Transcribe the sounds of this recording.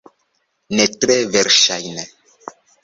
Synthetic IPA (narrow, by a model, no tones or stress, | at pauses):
nɛt̪ɾɛvɛɾʃajnɛ